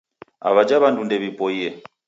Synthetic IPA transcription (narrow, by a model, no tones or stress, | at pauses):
a̰βad͡ʒaβandundɛβipʼɔiɛ